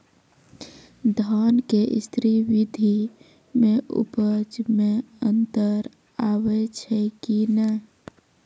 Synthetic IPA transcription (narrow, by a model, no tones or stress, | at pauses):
d̪ʱaːnkeʔst̪ʰɾiwid̪ʱi | mẽʔṵpəd͡ʒmẽə̃nt̪əɾ | aːwet͡ʃʰɛkinə